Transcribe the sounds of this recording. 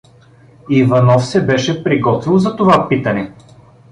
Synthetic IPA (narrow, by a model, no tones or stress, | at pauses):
ivɐnɔfsɛbɛʃɛpɾiɡɔt̪vilˠzɐt̪ovapit̪ɐnɛ